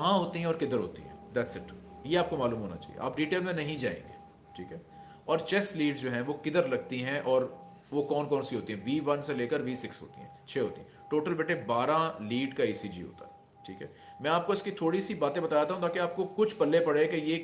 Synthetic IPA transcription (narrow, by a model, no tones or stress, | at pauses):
kɐɦãɦoːt̪iɦɛ̃ɔːɾkɪd̪əɾɦo̰ːt̪ḭɦɛ̰̃d̪ɛːʈsɪʈjeaːp̚komaːluːmɦoːna̰t͡ʃa̰ːɦḭḛʔa̰ːpɖiːʈeːlmẽnɐɦĩd͡ʒa̰ːḛ̃ːŋɡḛː | ʈʰḭːkɦɛː | ɔːɾt͡ʃɛsliːɖd͡ʒoːɦɛ̃ʋokɪd̪əɾlɐɡ̚t̪iɦɛ̃ʔɔːɾ | ʋokɔːnkɔːnsiɦoːt̪iɦɛ̃ʋiːʋɐnseleːkəɾʋiːsɪksɦo̰ːt̪ḭɦɛ̃ːt͡ʃʰeːɦoːt̪iɦɛ̃ʈoːʈəlbeʈebaːɾãliːɖkaiːsid͡ʒḭɦo̰ːt̪a̰ɦɛ | ʈʰḭːkɦɛː | mɛ̃aːp̚koɪskit̪ʰoːɽisibaːt̪ẽbɐt̪aːjat̪aːɦũt̪aːkeaːp̚kokʊt͡ʃʰpɐlːepɐɽekeje